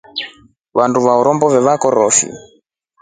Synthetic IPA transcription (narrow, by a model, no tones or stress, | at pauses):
βanduβaɔɾɔmbɔvɛβakɔɾɔfḭ